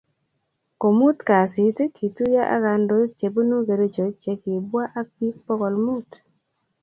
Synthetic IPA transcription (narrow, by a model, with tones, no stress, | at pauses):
ko˨mu˦t̪ka˨sɪ˨tkʰi˨tu˦ja˦ʔa̰˦ka˨ndo˦i˦kt͡ʃe˨bu˦nu˦ɡe˨ɾo˦d͡ʒo˨t͡ʃe˨kɪ˨bwa˦ʔa˦pi˦k̚pɔ˦kɔ˨lmu˦t